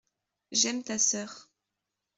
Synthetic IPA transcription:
ʒɛmt̪asœːʁ

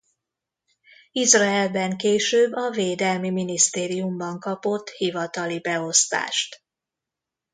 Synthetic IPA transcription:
izraɛlbɛŋkeːʃøːbːɒveːd̪ɛlmiminist̪eːɾijumbɒŋkɒpo̞t̪ːhivɒt̪ɒlibɛo̞st̪a̰ːʃt̪

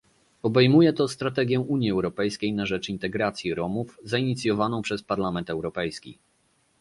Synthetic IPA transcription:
ɔbɛjmujɛt̪ɔst̪ɾat̪ɛɡʲjɛʔuɲjiɛwɾɔpɛjskʲejnaʐɛt͡ʂint̪ɛɡɾat̪sʲjiɾɔmufzaiɲit̪sʲjɔvanɔ̃w̃pʂɛspaɾlamɛnt̪ɛwɾɔpɛjskʲḭ

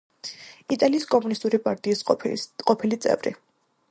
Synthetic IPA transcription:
it̪ʼaliːskʼɔmunist̪ʼuɾipʼaɾt̪ʼiːsqʼɔpʰilit̪sʼɛ̰vɾḭ

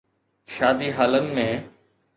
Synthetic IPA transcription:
ʃaːd̪iɦaːlənɪ̆mẽː

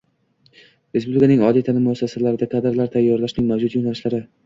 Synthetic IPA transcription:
ɾespublɪkʰanɪŋɒlit̪ʰanɪmːʊasːasalaɾɪd̪aqʰɑd̪ɪɾlaɾt̪ʰajːɒɾlaʃnɪŋmavd͡ʒʊt̪jonalɪʃlaɾɪ

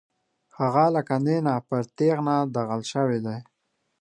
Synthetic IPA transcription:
haɣalakand̪enapəɾt̪eɣnad̪aɣəlʃəwed̪aj

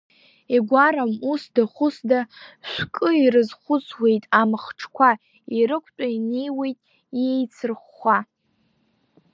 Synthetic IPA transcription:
eɡʷaɾamusdaχʷʊsdaʃʷkʼɨirɨzχʷʊt͡sʰwe̞jtʼamɨχʈ͡ʂʰkʷʰa | iɾɨkʷʰtʷʼainejwe̞jtʼ | jejt͡sʰɨrχːa

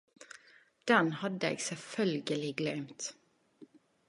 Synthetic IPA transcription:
d̪̥ɛnhɑd̪əḛːɡsɛlfœlɡəlɪɡlœʉmt̪

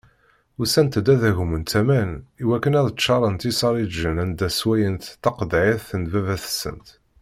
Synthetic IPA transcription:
usænt̪d̪æðæʝumənt̪æmæniwækːənæðt͡ʃːɑɾˤənt̪isɑɾˤid͡ʒːənænd̪æswæjənt̪t̪ːɑqd̪ʕiθənvævæθə̥sə̰nt̪

